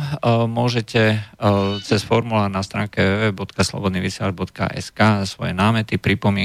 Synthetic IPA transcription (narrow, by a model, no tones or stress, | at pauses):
mʊɔʒɛcɛ | t͡sɛsfɔɾmulaːɾnast̪ɾaːŋkɛʋɛːʋɛbɔt̪kaslɔ̰bɔd̪niʋisɛaɾbɔt̪ka̰ʔɛ̰skasʋɔ̰jɛnaːmɛt̪ipɾipɔmɪ